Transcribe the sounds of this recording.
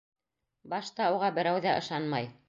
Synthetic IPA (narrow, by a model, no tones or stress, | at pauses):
bɑʃt̪ɑuʁɑbɘ̆ɾæwðæʔɤ̆ʃɑnmɑj